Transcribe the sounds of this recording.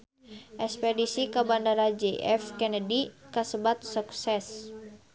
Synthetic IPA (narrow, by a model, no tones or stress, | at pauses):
ʔɛspɛdisikabandaɾad͡ʒɛʔɛ̰fkɛnədikasəbat̪̚suk̚sɛs